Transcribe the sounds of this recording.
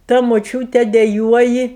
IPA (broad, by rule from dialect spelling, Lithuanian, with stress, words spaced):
tɐ moːˈt͡ʃʲuːtʲɛ dʲɛˈjuɔjɪ